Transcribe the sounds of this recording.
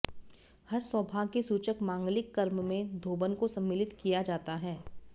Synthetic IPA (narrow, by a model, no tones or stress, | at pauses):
hɐɾsəbʱaːkesuːt͡ʃəkmãːŋɡlɪkːɐɾmmẽd̪ʱoːbənkosɐ̃mːɪlɪt̪kijad͡ʒaːt̪aɦɛː